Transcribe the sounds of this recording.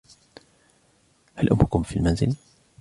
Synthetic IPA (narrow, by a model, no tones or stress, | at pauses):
halʔʊ̰mhʊkʊmfilmanzɪl